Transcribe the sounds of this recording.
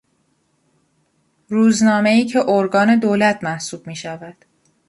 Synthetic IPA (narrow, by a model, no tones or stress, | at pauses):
ɾuːznɒːme̞iːcʰe̞ʔoɾɡɒːne̞d̪oːlæt̪ʰmæhsuːb̥̚miːʃævæd̪̥